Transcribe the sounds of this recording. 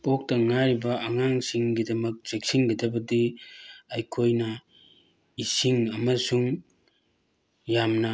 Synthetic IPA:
pok̚tɐŋaɾibɐːŋaŋsiŋɡidɐmɐk̚t͡ʃek̚siŋɡɐdɐbɐdiɐjkʰojnɐ | isiŋɐmɐsuŋ | jamnɐ

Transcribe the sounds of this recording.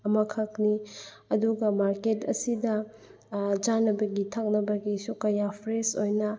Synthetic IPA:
ɐmɐkʰɐkni | ɐduɡɐmaɾketɐ̰sidɐ | d͡ʒanɐbɐɡitʰak̚nɐbɐɡisukɐjapʰɾesojnɐ

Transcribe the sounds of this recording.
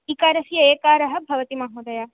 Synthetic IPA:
ikaːɾɐsijɐeːkaːɾɐɦɐ̆bʱɐʋɐt̪imɐɦuːd̪ɐja

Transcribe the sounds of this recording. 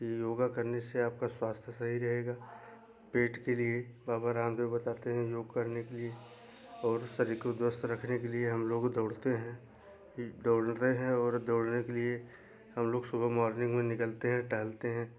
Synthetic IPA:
kijoːɡakɐɾneseaːp̚kaswaːst̪ʰjəsɐɦiɾɐɦeːɡaː | peːʈkeliebaːbaɾãːmd̪obɐt̪aːt̪eɦɛ̃joːɡkɐɾnekelie | ɔːɾsɐɾikod̪wəst̪ɾɐkʰnekelieɦɐmloːɡd̪ɔːɽt̪eɦɛ̃ | d̪oːɽt̪eɦɛ̃ɔːɾd̪oːɽnekelie | hɐmloːɡsʊbʱəmɔːɾnɪ̃ŋɡmẽnɪkəlt̪eɦɛ̃ʈəɦəlt̪eɦɛ̃ː

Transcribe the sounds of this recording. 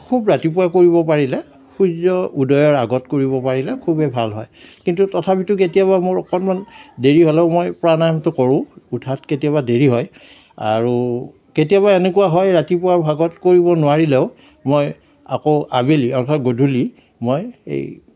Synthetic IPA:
kʰubɹatipuakoɹiβɔpaɹilɛ | kʰuzɔudɔjɔɹaɡɔtkoɹiβɔpaɹilɛkʰubɛbʱalɦɔ̰jkintutɔtʰapitʊk̬etijaβamoɹɔkɔnmandeɹiɦolɛʊmɔjpɹanamtʊkɔɹʊ̃utʰatketijaβadeɹiɦɔj | a̰ɹu | ketijaβaenekuwaɦɔjɹatipʊaɹbʱaɡɔtkoɹiβɔnʊwaɹilɛʊ | moj | a̰koʊʔabeliɔɹtʰatɡodʱuli | mojḛj

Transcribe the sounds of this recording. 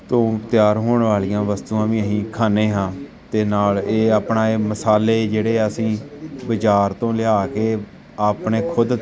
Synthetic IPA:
t̪õːt̪ɪjaːɾɦoːɳʋaːliːãːʋəst̪uːãːʋĩːəɦĩːkʰaːneːɦãː | t̪eːnaːleːaːpɳaːeːməsaːleːd͡ʒeːɽeːəsĩːbɪt͡ʃaːɾt̪õːlɪaːkeː | aːpɳeːkʰʊd̪

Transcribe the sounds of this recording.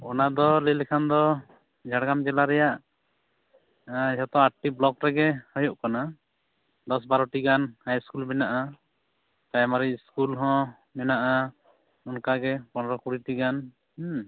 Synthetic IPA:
ɔnad̪ɔlɛlɛkʰand̪ɔ | d͡ʒʱaɽɡamd͡ʒɛlaɾɛjaʔ | ɦɔt̪ɔaʈiblɔkɾɛɡɛhɔjɔʔkana | d̪ɔs̬baɾɔʈiɡanhajskulbɛnaʔa | t̪ajmaɾicskulɦɔ̃ | mɛnaʔa | unkaɡɛpɔnɾɔkuɽiʈiɡan

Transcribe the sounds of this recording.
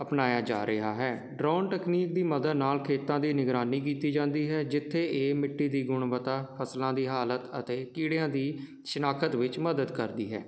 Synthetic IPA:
əpnaːjaːd͡ʒa̰ːɾʔəɦaːɦɛː | ɖɾaːnʈɛːkniːk̚d̪iːməd̪əd̪naːlkʰeːt̪ãːd̪iːnɪɡɾaːniːkiːt̪iːd͡ʒãːnd̪iːɦɛːd͡ʒɪt̪ʰːeːʔeːmɪʈːiːd̪iːɡʊɳʋət̪aːpʰəslãːd̪iːɦaːlət̪ə̰t̪eːkiːɽejãːd̪iː | ʃɪnaːkʰət̪ʋɪt͡ʃməd̪əd̪kəɾd̪ḭːɦɛ̰ː

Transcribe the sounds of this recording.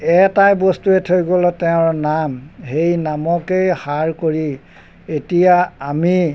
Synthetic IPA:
ɛtajbɔstuetʰojɡɔlɔtɛʊ̃ɹnamhejnamɔkejhaɹkoɹi | etijaːmi

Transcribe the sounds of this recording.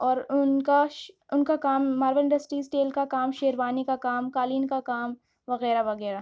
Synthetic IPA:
ɔːɾʊnka | ʊnkakaːmːaːɾʋəɪ̃ɳɖɐsʈɾiːsʈeːlkakaːmʃeːɾʋaːnikakaːmkaːliːnkakaːm | ʋɐɣɛːɾaʋɐɣɛːɾa

